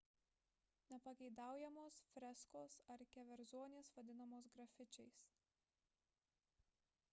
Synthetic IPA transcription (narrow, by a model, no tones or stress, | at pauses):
nʲɛpɐɡʲɛɪd̪ɑˑʊjɛmoːsfʲɾʲɛskoːsɐɾkʲɛʋʲɛɾzoɔːnʲeːsʋɐd̪ʲɪnɐmoːsɡɾɐfʲɪt͡ʃʲɛɪs